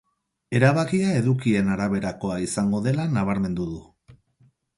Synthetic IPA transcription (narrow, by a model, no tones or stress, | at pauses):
e̞ɾaβakiae̞ðukie̞naɾaβe̞ɾako̞aisaŋɡo̞ðe̞lanaβ̞aɾme̞nd̪uðu